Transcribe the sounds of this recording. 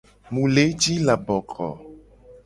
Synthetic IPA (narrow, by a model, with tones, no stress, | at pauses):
mũ˨le˨˦d͡ʒi˦la˨bɔ˨kʰɔ̰˨